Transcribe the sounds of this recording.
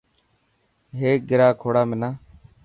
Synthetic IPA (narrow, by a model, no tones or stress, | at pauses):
ɦeːk̚ɡɪɾaːkʰoːɽaːmɪnãː